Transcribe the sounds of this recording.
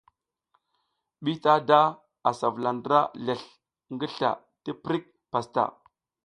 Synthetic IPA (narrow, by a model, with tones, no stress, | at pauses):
ɓi˦ta˦da˦ | a˨sa˨vla˨ndɾa˦ɮe˨ɬ | ŋɡi˦ɬa̰˨ | ti˦pɾi˦k̚ | pa˨sta̰˨